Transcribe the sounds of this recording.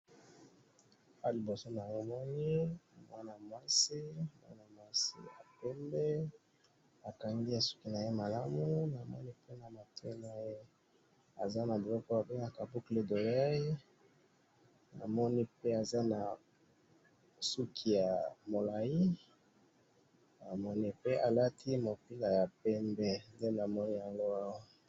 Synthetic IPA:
a˦li˨bo˨so˦na˨ŋo˦˨mɔ˦ni˦mwa˦na˨mwa˦si˦mwa̰˦na˨mwa˦sḭ˦a̰˨pɛ˦mbɛ˦ | a˨ka˨ŋɡi˦a˨su̥˦ki˨na˨je˦ma˨la˦mu˦na˨mɔ̰˦ni˦pe˦na˨ma˨tʰo˦na˨je˦ | a˨za˦na˨de˨lɔ˦ko˦a˨be˦ŋa˨ka˨bu˦kle˨do˨la˦ | na̰˨mɔ˦ni˦pe˦a˨za˦na˨ | su˦kʰi˨ja˨mo˨la˨ji˦ | a˨mɔ˦ni˦pe˦ʔa˨la˦tʰi˦mo˨pi˦la˨ja˨p̚ɛ˦mbɛ˦nde˦na˨mɔ˦ni˦a˨ŋɡo˦a˦wa˦

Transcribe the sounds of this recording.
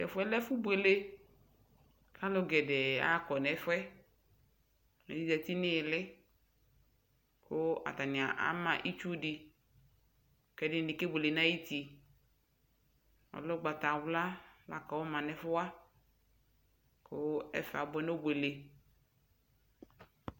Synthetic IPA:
ɛ˨fʊ˨˦ɛ˦lɛ˦fʊ˦be˨le˦ | kʰa˦lʊ˦ɡɛ˨dɛ˨a̰˦kɔ˨nɛ˨˦fɛ˦˨ | no˨di˦da˨t̪i˦nɪ˦˨lɪ˦ | kʊ˦a̰˨t̪a˨nɪ̃˨a˨ʔa̰˨˦mã˨ʔi˦t͡ʃu˦dɪ˨ | kɛ˦dɪ˦n˨nɪ˨ke˦be˨le˨na˦ji˦ti˨ | ɔ̰˨lʊ˦ɡ͡ba˨ta˨wla˦la̰˨ka˨wɔ˦mã˨nɛ˨fʊ˦wa˦ | kʰʊ˦ɛ̰˦fa̰˨bɛ˦no˦bwe˨le˨

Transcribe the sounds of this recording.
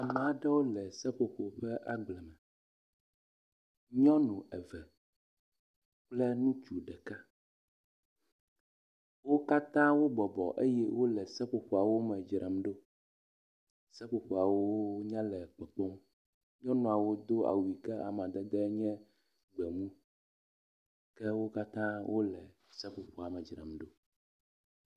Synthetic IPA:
a˨mɛ˨a˨ɖɛ˦wo˦lɛ˨sɛ˦ɸo˨ɸo˨ɸɛ˦ʔa˨ɡ͡blɛ˨mɛ˨ | ɲɔ̃˦nũ˨ɛ˨vɛ˨ | k͡plɛ˦nũ˦t͡ʃu˨ɖɛ˨ka˦ | wo˦ka˦t̪ã˦wo˦bɔ˨bɔ̰˨ʔḛ˦jɛ˦wʔo˦lɛ˨sɛ˦ɸo˨ɸo˨a˨wo˦mɛ̃˨d͡ʒɾʔɛ˨m˦ɖo˦ | sɛ˦ɸo˨ɸo˨a˨wo˦ɲã˦lɛ˨k͡pɛ˨k͡pɔ˦m | ɲɔ̃˦nɔ̃˨a˨wo˦d̪o˦a̰˨wu˨i˨kɛ˦ʔa̰˨m˨ã˨d̪ɛ˦d̪ɛ˦ɲɛ̃˦ | ɡ͡bɛ˨mũ˦ | kɛ˦wo˦ka˦t̪ã˦wʔo˦lɛ˨ | sɛ˦ɸo˨ɸo˨a˨mɛ˨d͡ʒɾɛ̰˨mɖo˦

